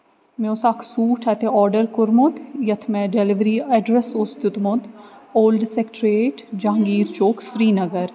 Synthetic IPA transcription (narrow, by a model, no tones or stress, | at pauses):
meʊsakʰsuːʈʰɛt̪eɔːɾɖəɾkʊɾmʊt̪jɐt̪ʰmɛ̃ɖelɪʋɾiːɛːɖɾesʊst̪ɪt̪mʊd̪oːlɖsekʈɾeːʈd͡ʒãːŋɡiːɾt͡ʃoːksɾiːnɐɡəɾ